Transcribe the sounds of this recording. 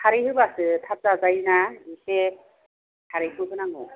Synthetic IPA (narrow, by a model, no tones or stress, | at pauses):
hʰaɾihɯbasɯt̪ʰap̚zazajnaise | kʰaɾɯɦɯbɯnaŋɯ